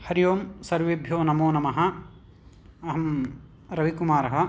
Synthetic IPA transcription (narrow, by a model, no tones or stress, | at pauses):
hɐɾijoːmsɐɾʋebʱjoːnɐmoːnɐmɐɦɐ̆ | ɐɦɐm | ɾɐʋikumaːɾɐɦɐ̆